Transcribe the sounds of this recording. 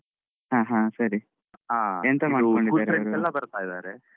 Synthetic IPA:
ɦãːɦãːsɐɾi | aent̪ɐmaːkoɳɖiduaːɾɾeɐɾuɛlːɐbɐɾt̪aːjd̪aːɾe

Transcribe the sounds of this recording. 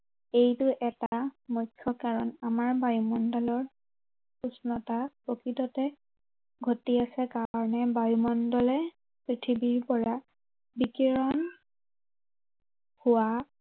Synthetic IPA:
ejtʊʔɛtamɔjkʰːɔkaɹɔnamaɹbajumɔndɔlɔɹ | usnɔtapɹokɹitɔtɛ | ɡʱotiasɛkaɹɔnɛbajumɔndɔlɛ | pɹitʰibiɹpɔɹa | bikiɹɔn | hʊwa

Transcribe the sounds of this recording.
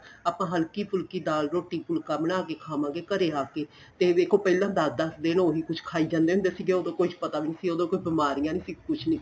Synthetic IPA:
aːpãːɦəlkiːpʊlkiːd̪aːlɾoːʈːiːpʊlkaːmɪɽaːkeːkʰaːmãːɡeːkəɾeːaːkeː | t̪eːʋeːkʰõːpɛːlãːd̪aːd̪asd̪eːnoːɦiːkʊt͡ʃʰkʰaːiːd͡ʒãːnd̪eːɦʊnd̪eːsiːɡeːoːd̪õːkoːit͡ʃpət̪aːʋiːnisiːoːd̪õːkoːibɪmaːɾijãːniːsiːkʊt͡ʃʰnĩː

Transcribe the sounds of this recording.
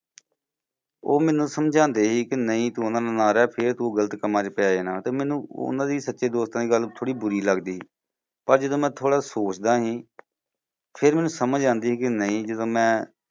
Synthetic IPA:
oːmɛːnũːsəmd͡ʒãːnd̪eːɦiːkɪnəĩːt̪uːʊnãːd̪aːnaːɾɛːpʰɪɾt̪uːɡələt̪kəmãːd͡ʒeːpɛaːeːnãːt̪eːmɛ̃ːnũːʊ̰nãːd̪iːsətːʃeːd̪oːst̪ãːd̪iːɡəlt̪ʰoːɽiːbʊɾiːləɡd̪iː | pəɾd͡ʒəd̪õːmɛ̃ːt̪ʰoːɽaːsoːt͡ʃd̪aːɦĩː | pʰɪɾmɛːnũːsəməd͡ʒãːnd̪iːɦiːkɪnəĩːd͡ʒəd̪õːmɛ̃ː

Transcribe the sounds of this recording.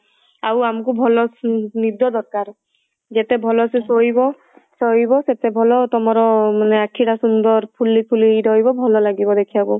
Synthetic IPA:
awamkubʱɔlɔnid̪ɔd̪ɔɾkaɾ | d͡ʒet̪ebʱɔlɔsesoibɔ | soibɔset̪ebʱɔlɔt̪ɔmɔɾɔmaneakʰːiɽasund̪ɔɾpʰulːipʰuliɾɔɦibɔbʱɔlɔlaɡibɔd̪ekʰijabu

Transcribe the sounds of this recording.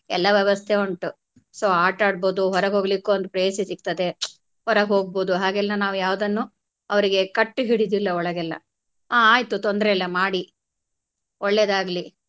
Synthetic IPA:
ɛlːɐʋjɛʋɐst̪ʰeoɳʈu | soːaːʈaːɽboːd̪uɦɔɾɐɡɦo̞ːɡlikːuond̪upɾɐjesisik̚t̪ɐd̪e̞ | hɔɾɐɡɦo̞ːɡ̚boːd̪uɦaːɡɛlːɐnaːʋujaːʋɐd̪ɐnːu | ɐʋɐɾiɡe̞kɐʈːuɦiɽid̪ilːɐɔɭɐɡɛlːɐ̰ | aaːjt̪ut̪ɔnd̪ɾeɛlːɐmaːɽi | ɔɭːed̪aːɡli

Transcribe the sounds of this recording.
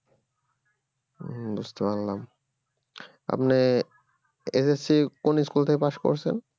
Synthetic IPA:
d̪ust̪obanlam | a̰pne | esesikoniskult̪ʰekepaʃko̰ɾt͡ɕʰḛn

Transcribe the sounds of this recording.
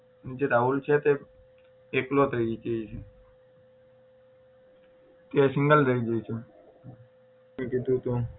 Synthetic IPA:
nid͡ʒeɾault͡ʃʰet̪e | eklot̪əid͡ʒeit͡ʃʰe | t̪esɪ̃ŋɡəld̪əid͡ʒəjt͡ʃʰe | ẽkid̪ʱũt̪o

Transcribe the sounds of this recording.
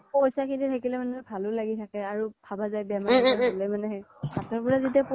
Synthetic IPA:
pojsakʰinitʰakilɛmanɛɛbʱalʊlaɡitʰakɛaɹub̥ʰʱabazajbɛmaɹalɛmanɛɦɛbʱatɔɹpɔɹazit̬iap

